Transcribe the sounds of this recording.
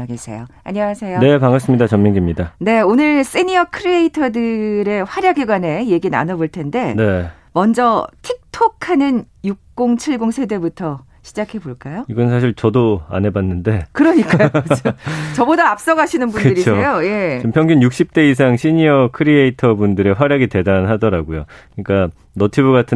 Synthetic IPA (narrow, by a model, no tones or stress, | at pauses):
aɡesʰe̞̰joa̰ɲʌasʰe̞jone̞paŋas͈ɯmɲidat͡ɕʌmmiŋɡimɲidane̞onɯɭs͈iɲiʌkʰɯɾieitʰʌdɯɾe̞ɸwaɾjaɡiɡwane̞je̞ɡina̰nʌboɭtʰe̞nde̞ne | mʌnd͡ʑʌtʰik̚tʰokʰanɯn | juk̚k͈oŋt͡ɕʰiɭɡoŋsʰe̞dwe̞butʰʌ | ɕʰid͡ʑakʰe̞boɭk͈ajoiɡʌnsʰaɕ̬ʰiɭt͡ɕʌdoa̰nɦe̞banːɯnde̞kɯɾʌɲik͈ajokɯt͡ɕʰʌt͡ɕʌbodaːp̚s͈ʌɡaɕʰinɯnbunddɯɾioejoje̞t͡ɕompʰjʌŋɡunjuk̚ɕ͈ip̚t͈e̞is̬ʰaŋɕʰiɲiʌkʰɯɾieitʰʌbundɯɾe̞ɸwaɾjaɡite̞danɦadʌɾaɡojokɯɲik͈a | nʌtʰibuɡatʰɯ